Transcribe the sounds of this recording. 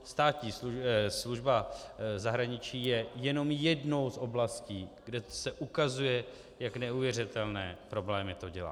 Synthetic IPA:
st̪aːt̪ɲiːsusluʒbazaɦɾaɲɪt͡ʃiːjɛjɛno̞mjɛdno̞wsʔo̞blasciːɡdɛsɛʔukazujɛ | jaknɛuvjɛrɪt̪ɛlnɛːpɾo̞blɛːmɪt̪o̞ɟɛla̰ː

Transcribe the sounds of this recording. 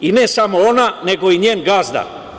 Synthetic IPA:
inesamoonane̞ɡo̞iɲeːnɡazd̪a̰

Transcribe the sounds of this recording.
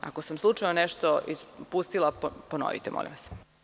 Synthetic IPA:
a̰kosamslˠut͡ʂaonɛʃt̪oʔispust̪ilˠapono̰ʋḭt̪emo̰lḭmʋas

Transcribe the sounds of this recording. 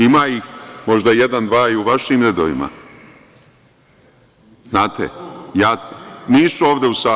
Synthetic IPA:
imaːixmo̞ʒd̪aje̞d̪and̪ʋaːiuʋaʃimɾe̞d̪oʋima̰ | z̥naːt̪ḛjaːniːsuoːʋd̪e̞usaː

